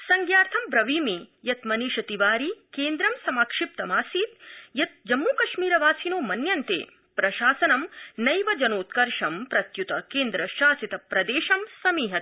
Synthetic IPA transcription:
sɐŋɡjaːɾt̪ʰɐmpɾɐʋiːmijɐt̪mɐniːʃɐt̪iʋaːɾikeːnd̪ɾɐmsɐmaːkʂip̚t̪ɐmaːsiːt̪jɐt̪̚d͡ʒɐmːuːkɐʃmiːɾɐʋaːsinoːmɐnjɐnt̪ḛː | pɾɐʃaːsɐnɐmnɐjʋɐd͡ʒɐnoːt̪kɐɾʂɐmpɾɐt̪jut̪ɐkeːnd̪ɾɐʃaːsit̪ɐpɾɐd̪eːʃɐmsɐmiːɦɐt̪̚

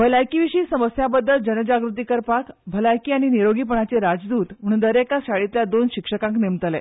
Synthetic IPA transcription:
bʱəlajkiʋiɕiːsəməsjabəd̪ʱːəld͡ʑənəd͡ʑaɡɾut̪̬ikəɾpakbʱəlajkiːaɽ̃iniɾoɡiːp̬əɳ̃at͡seɾad͡zd̪uːt̪m̤əɽund̪əɾekaɕaɭit̪ljad̪onɕikʂəkãŋknemt̪əlḛ

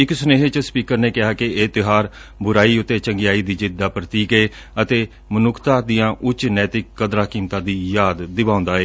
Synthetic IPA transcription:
ɪksʊneːɦt͡ʃəspiːkəɾneːkɪɦaːkɪeːt̪ɪɦaːɾbʊɾaːiːʊt̪ːeːt͡ʃəŋɡɪjaːiːd̪iːd͡ʒɪd̪ːaːpɾət̪iːkeː | ət̪eː | mənʊkʰt̪ãːd̪ijãːʔʊt͡ʃnɛːt̪ɪkːəd̪ɾãːkiːmt̪ãːd̪iːjaːd̪ːɪbãːʊ̃nd̪aːeː

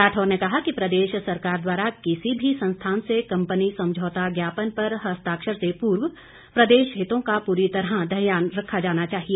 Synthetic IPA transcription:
aːʈʰoːɾnekɐɦakipɾɐd̪eːʃsɐɾkaːɾd̪waːɾakɪsibʱisɐ̃nst̪ʰaːnsekɐ̃mpənisɐ̃md͡ʒʱoːt̪aɡjaːpənpɐɾɦɐst̪aːkʃəɾsepuːɾw | pɾɐd̪eːʃɦɪt̪õkapuːɾit̪ɐɾɦad̪ɐɦjaːnɾɐkʰːad͡ʒaːnat͡ʃaːɦieː

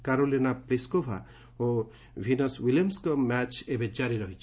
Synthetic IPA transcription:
kaɾolinapɾiskopʰa̰ | o | bʱinɔswilijɔmskɔmɛt͡ʃebed͡ʒaɾiɾɔɦit͡ʃʰ

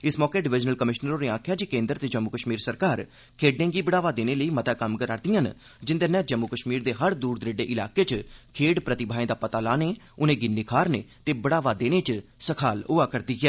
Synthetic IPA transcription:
ɪsmɔːkeːɖɪʋɪd͡ʒnəlkəmɪʃnəɾõːɾeːãːkʰjaːd͡ʒiːkẽːnd̪əɾt̪eːd͡ʒəmːukəʃmiːɾsəɾkaːɾ | kʰeːɖẽːɡiːbəɽaːʋaːd̪eːneːləiːmət̪aːkəmkəɾaːɾd̪ɪjãːn | d͡ʒɪnd̪eːnɛ̃ːd͡ʒəmːukəʃmiːɾd̪eːɦəɾd̪uːɾd̪ɾeːɖeːʔɪlaːkeːt͡ʃkʰeːɽpɾət̪ɪbʱaːẽːd̪aːpət̪aːlaːneː | ʊnẽːɡɪnːiːkʰaːɾneːt̪eːbəɽaːʋaːd̪eːneːt͡ʃsəkʰaːlʊːaːkəɾd̪iːɡɛː

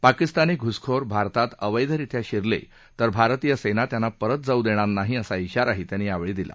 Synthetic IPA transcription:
pakist̪aniɡʱuskʰoɾbʱaɾt̪at̪əʋəjd̪ʱəɾit̪ʰjaɕiɾlḛ | t̪əɾbʱaɾt̪ijəsenat̪janːapəɾət̪̚d͡zaud̪eɽ̃anaɦiəsaiɕaɾaɦet̪janːiːaʋɭiːd̪ilʔa̰

